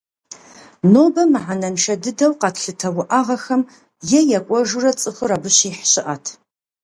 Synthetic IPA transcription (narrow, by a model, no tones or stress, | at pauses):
noːbɐmɨħanɐmʃɐdɨdɐwqɑtʰɬɨtʰɐwʊʔaʁɐxɐm | jɛjɐkʷʼɔʒurɐt͡sʼɨxɨrɐbɨɕiːħɕɪʔatʰ